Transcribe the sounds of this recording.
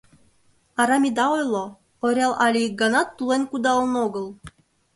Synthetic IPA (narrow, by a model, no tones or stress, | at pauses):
ɑɾɑmʲid̪ɑojlˠo | oɾʲɑlˠʔɑlʲiɡɑnɑt̪ːulˠenʲkud̪ɑlˠnoɡɤ̆lˠ